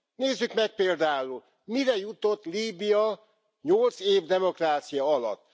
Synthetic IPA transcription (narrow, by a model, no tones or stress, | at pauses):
neːzːykmɛk̚peːld̪aːul | miɾɛjut̪o̞t̪ːliːbijɒ | ɲolt̪seːvd̪ɛmo̞kraːt̪sijɒɒlɒ̰t̪ː